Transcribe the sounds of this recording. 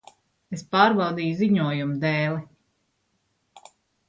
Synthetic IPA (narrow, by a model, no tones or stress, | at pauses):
espaːɾbawd̪iːjuziɲuɔjumud̪ɛːlˠi